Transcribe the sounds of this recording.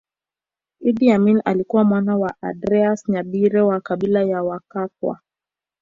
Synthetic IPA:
iɗiamina̰likuwamwanawaʔadɾɛasɲaɓiɾɛwakaɓilajawakakwa̰

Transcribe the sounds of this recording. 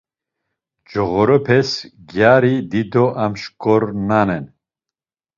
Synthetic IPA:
d͡ʒɔɣɔɾɔpʰɛsɡjaɾid̪id̪ɔʔamʃkʼɔɾnanɛn

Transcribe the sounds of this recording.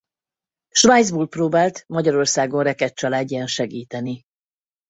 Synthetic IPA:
ʃvaj̪zbuːlproːbaːlt̪mɒɟɒɾo̞rsaːɡo̞nrɛkɛt̪t͡ʃɒlaːɟːɛnʃɛɡiːt̪ɛni

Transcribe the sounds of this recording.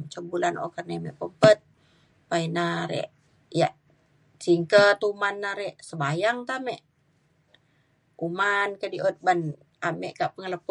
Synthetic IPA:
t͡ʃəbulano̰kərnemɛʔpəpət̪̚ | painaɾḛʔ | ja̰ʔ | t͡ʃiŋkət̪umanːaɾɛʔsəbajaŋt̪amɛʔ | umankədiʔot̪̚ban | amɛʔkaʔpəŋələp

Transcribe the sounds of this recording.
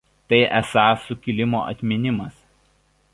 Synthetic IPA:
t̪ɐɪʔæsɐsʊkʲɪlʲɪmo̰ːʔɐ̰t̪ʲmʲɪnʲɪmɐs

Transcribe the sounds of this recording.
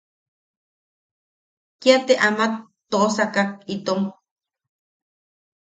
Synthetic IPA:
kiat̪eʔamakt̪osakak̚it̪om

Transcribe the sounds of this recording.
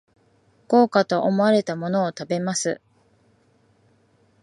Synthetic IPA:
ko̞ːkat̪o̞ʔomo̞aɾe̞t̪amo̞no̞ːt̪abe̞masɨ

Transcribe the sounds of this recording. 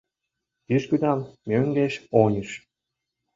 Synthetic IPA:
t̪iʃkyd̪ɑmmʲøŋɡeʃonʲiʃ

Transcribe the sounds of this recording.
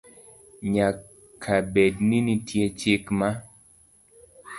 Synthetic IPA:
ɲa | kʰːabedninitjet͡ʃɪkma

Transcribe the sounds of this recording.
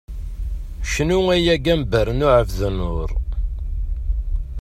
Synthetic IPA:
ʃnuæjæɡæmbəɾnʊʕəfðənʊɾ

